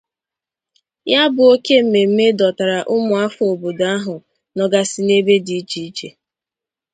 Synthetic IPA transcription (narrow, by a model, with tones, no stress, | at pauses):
ja˦bʊ˨o˦ke˦m̩˨me˨m̩˦me˦dɔ˨ta˨ɾa˨ʔʊ˦mʊ˨a˦fo˨bo˨da˦ɦʊ˨ | nɔ˨ɡa˦sɪ˦ne˦be˦di˨i˦t͡ʃi˨i˦t͡ʃe˨